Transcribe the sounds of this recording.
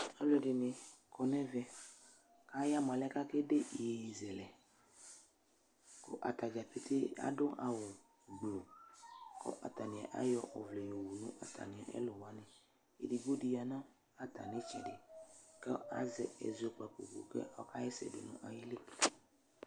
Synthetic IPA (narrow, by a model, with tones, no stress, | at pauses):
a˦lɛ˨dɪ˨nɪ̃˨kɔ˨nɛ˦vɛ˨ | ka˦ja˦mã˨lɛ˦ka˦ke˦de˦i˨ji˨zɛ˨lɛ˨ | ko̰˦ʔa˨t̪a˨d͡ʒa˨pe˦te˦a̰˦dʊ˦ʔa˨wʊ˨ | ɡ͡blo˨ | kʰɔ̰˦ʔa̰˨t̪a˨nĩ˨a˨ʔa̰˦jɔ˦ʔɔ˨vle˨jo˨wu˨nʊ̰̃˦ʔa˨t̪ʰa̰˨nĩ˨a˨ʔɛ̰˦lo˨wa˦nɪ̃˨ | ḛ˨di˨ɡo˦di˦ja˨nã˦ | a˨t̪a̰˨nɪ˦t͡ʃɛ̰˨dɪ̰˨kɛ˦a̰˦zɛ̰˨ɛ̰˨zo˨˦k͡pa˨k͡po̰˨ko̰˨kḛ˦a˦ka˦jɛ˦sɛ̰˨do̰˨nʊ̰̃˦ʔa˨ji˦le˦˨